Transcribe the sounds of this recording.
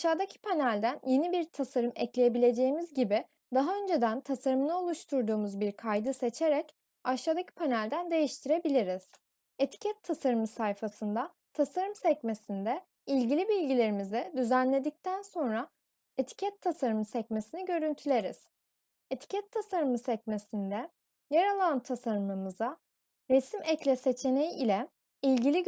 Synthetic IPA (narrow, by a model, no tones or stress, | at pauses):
aʃaːd̪acʰi̥pʰanælʲd̪ænje̞nibiɾt̪ʰasaɾɯmɛclʲeje̞bilʲe̞d͡ʒe̞jimizɟibɪ | d̪aɦaønd͡ʒe̞d̪ænt̪ʰasaɾɯmɯnˠao̞lˠuʃt̪ʰuɾd̪uːmuzbiɾkʰajd̪ɯse̞t͡ʃʰe̞ɾɛc | aʃaːd̪acʰi̥pʰanælʲd̪ænd̪e̞jiʃt̪ʰiɾe̞bilʲiɾiz̥ | e̞t̪ʰi̥cʰɛt̪ʰːasaɾɯmɯsajfasɯnd̪a | t̪ʰasaɾɯmsɛcme̞sind̪ɛ | ilʲɟilʲibilʲɟilʲe̞ɾimizɛd̪yzænlʲe̞d̪ic̚t̪ʰænso̞nɾa | e̞t̪ʰi̥cʰɛt̪ʰːasaɾɯmɯsɛcme̞siniɟø̞ɾynt̪ʰylʲe̞ɾiz̥ | e̞t̪ʰi̥cʰɛt̪ʰːasaɾɯmɯsɛc̚me̞sind̪ɛ | jaɾalˠant̪ʰasaɾɯmɯmɯza | ɾesimɛclʲɛse̞t͡ʃʰe̞ne̞jiːlʲɛ | ilʲɟilʲi